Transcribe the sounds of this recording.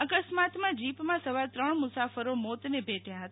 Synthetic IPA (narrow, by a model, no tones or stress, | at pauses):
əkəsmat̪mãd͡ʒipmãsəʋaɾt̪ɾəɳmʊsafəɾomot̪nebʱeʈʰjaɦət̪